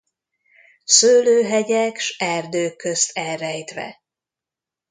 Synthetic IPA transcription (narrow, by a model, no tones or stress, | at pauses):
søːløːɦɛɟɛkʃɛrd̪øːkːøst̪ɛlrːɛjt̪ʋɛ̰